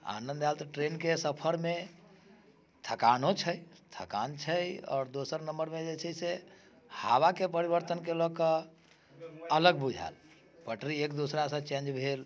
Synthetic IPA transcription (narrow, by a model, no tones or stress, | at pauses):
a̰nənd̪alt̪ɔʈɾenkesəpʰəɾme | t̪ʰəkanot͡ʃʰəjt̪ʰə̰ka̰nt͡ʃʰəjɔ̰ːɾd̪osəɾnəmbəɾmed͡ʒet͡ʃʰəse | haβakepəɾiβəɾt̪ənkelɔkə | ələɡbud͡ʒʱa̰l | pəʈɾiekd̪usɾasə̃t͡ʃẽnd͡ʒbʱel